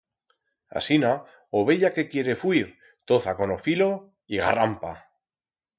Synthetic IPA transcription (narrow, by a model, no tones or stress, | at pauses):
a̰sina | oβe̞ʎake̞kje̞ɾe̞fwiɾ | t̪o̞θako̞no̞filo̞ | iɣa̰rampa